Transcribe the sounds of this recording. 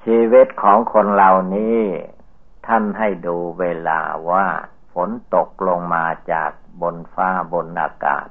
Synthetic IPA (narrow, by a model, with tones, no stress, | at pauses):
sʰiː˧wi˦˥˩t̪̚kʰɔː˨˩˦ŋkʰo˧nlaː˧wniː˦˥ | t̪ʰa˥˩nɦa˥˩jduː˧weː˧la̰ː˧waː˧˥˩ | fo˨˩˦nt̪o˨˩k̚lo˧ŋmaː˧t͡ɕa̰ː˨˩k̚bo˧nfaː˧˥˩bo˧nʔa̰ː˧ka̰ː˨˩t̪̚